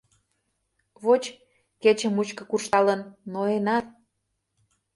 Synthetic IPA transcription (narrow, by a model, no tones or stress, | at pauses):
βot͡ɕ | ket͡ɕəmut͡ɕkɤ̆kurʃt̪ɑlənːoenɑt̪̚